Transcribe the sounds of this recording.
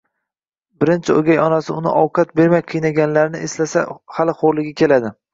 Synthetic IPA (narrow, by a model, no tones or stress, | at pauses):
bɪɾɪnt͡ʃʰɪoɡʲajɒnasɪʊnɪ̰ʔɒwqʰɑt̪̚be̞ɾmajqʰɨjnaɡʲanlaɾnɪʔeslasa̰halɪχoɾlɪɡʲakʲe̞lad̪ɪ